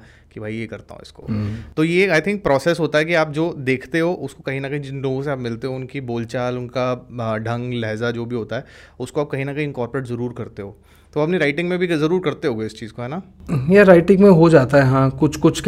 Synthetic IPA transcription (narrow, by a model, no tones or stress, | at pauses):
kibʱaːijekɐɾt̪a̰ɦṵ̃ɪ̰sko̰t̪ojeːaːɪt̪ʰɪ̃ŋk̚pɾɔːsɛsɦoːt̪aɦɛkiaːp̚d͡ʒoːd̪eːkʰt̪eɦoːʔʊskokɐɦĩnɐkɐɦĩd͡ʒɪnloːɡõs̬eaːpmɪlt̪eɦõʊnkiboːlt͡ʃaːlʊnkaɖʱɐ̃ŋɡlɛɦzad͡ʒoːbʱiɦoːt̪aɦɛːʊskoaːp̚kɐɦĩnɐkɐɦĩɪnkɔːɾpɾeːʈzɐɾuːɾkɐɾt̪eɦoː | t̪oɐpniɾaɪʈɪ̃ŋɡmẽbʱizɐɾuːɾkɐɾt̪eɦoːɡeɪst͡ʃiːz̥koɦɛːna | jaɾaːɪʈɪ̃ŋɡmẽɦod͡ʒaːt̪aɦɛɦãːkʊt͡ʃʰkʊt͡ʃʰk